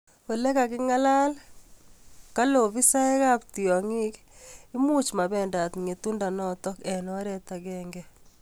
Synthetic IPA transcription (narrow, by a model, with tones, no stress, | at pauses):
o˨lɛ˦ka˨kɪ˦ŋa˦la˦l | ka˦lo˨βi˦sa˦ɛ˦ka˦pti˨ɔ˨ŋɪ˦k | ɪ˦mu˦t͡ʃma˨βɛ˨nda˨t̪ŋe˨tu˦nda˨nɔ˦t̪ɔ˦kɛ˨nwa˦ɾɛ˦t̪a˨ɡɛ˦ŋɡɛ˦